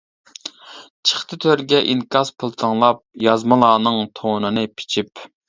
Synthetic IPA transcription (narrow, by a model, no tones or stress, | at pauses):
t͡ʃʰə̥χt̪ʰɨt̪ʰøɾɡʲɛʔiŋkʰɑspʰɨlˠt̪ʰəŋlˠɑp̚jɑzmɨlˠɑːnɨŋt̪ʰonɨnɨpʰi̥t͡ʃʰip